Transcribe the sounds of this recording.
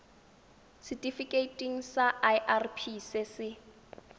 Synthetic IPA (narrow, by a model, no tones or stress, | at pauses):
sitʼifikʼetʼiŋ̩saʔajʔarpʰisɪsɪ